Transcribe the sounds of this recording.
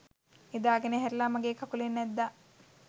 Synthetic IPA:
ed̪aːɡeneɦɛɾilamɐɡeːkɐkulenːɛd̪ːa

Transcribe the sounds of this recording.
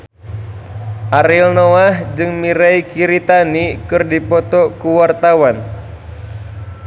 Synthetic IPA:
ʔaɾilnoahd͡ʒɨŋmiɾaikiɾit̪anikɨrdipɔt̪ɔkuwart̪awan

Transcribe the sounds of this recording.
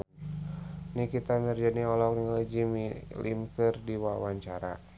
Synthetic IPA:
nikit̪amird͡ʒaniɔlɔk̚niŋalid͡ʒimilḭmkɨrdiwawaɲt͡ʃaɾa̰

